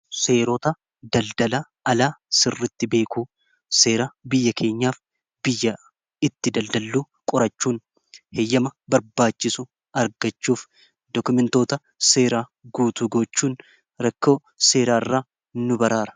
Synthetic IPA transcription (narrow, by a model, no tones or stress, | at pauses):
se̞ːɾoːt̪ɐ | d̪ɐld̪ɐlɐ | ɐlaːsɪrːɪt̪ːɪbe̞ːkuː | se̞ːɾabɪjːɐkʰe̞ːɲːaːf | bɪjːɐ | ɪt̪ːɪd̪ɐld̪ɐlːuː | kʼʊɾɐt͡ʃːuːn | hejːɐmɐbɐɾbaːt͡ʃːɪsʊ | ɐɾɡɐt͡ʃːuːf | d̪ɔkʊmɛnt̪o̞ːt̪ɐ | se̞ːɾaːɡuːt̪ʊɡot͡ʃːuːn | ɾɐkːo̞ː | se̞ːɾaːɪrːaː | nʊbɐɾaːɾɐ̥